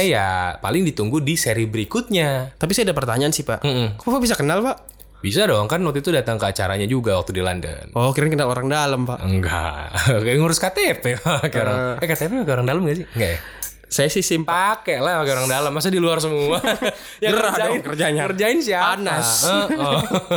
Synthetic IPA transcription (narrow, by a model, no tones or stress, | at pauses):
aja̰pa̰lɪŋdit̪uŋɡudiseɾibəɾikʊt̪̚ɲat̪ap̬isajadap̬ərt̪aɲaansɪhpaʔm̩koapabis̬akənalpaʔ | bisaːdoaŋkanːɔt̪it̪udat̪aŋkəat͡ʃa̰ɾa̰ɲad͡ʒuɡawak̚t̪udila̰ndə̰nɔkiɾaɲakənaloɾaŋdaləmpa̰ʔəŋɡa̰ɡaŋuɾʊskat̪epɛakɾaɛkat̪ɛpɛpakɛoɾaŋdaləmɡaʔsɪŋɡaʔja̰ | sajasisɪmpaakɛlahpakɛoɾaŋdaləmːas̬adiluars̬əmua | jaɾaadkərd͡ʒaɲakərd͡ʒaɪnsiapanasəə